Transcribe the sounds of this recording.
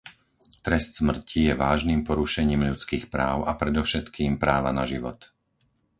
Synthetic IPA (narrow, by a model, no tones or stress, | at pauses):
t̪ɾɛst̪smr̩cʰijɛʋaːʒniːmpɔɾuʃɛɲiːmʎut͡skiːxpɾaːʊapɾɛd̪ɔʊʃɛt̪kiːmpɾaːʋanaʒiʋɔ̰t̪